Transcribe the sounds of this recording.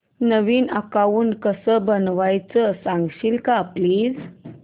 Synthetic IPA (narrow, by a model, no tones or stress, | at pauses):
nəʋiːnəkaʋuːnkəsəbənʋajt͡səəsãŋɡɕilkapliːz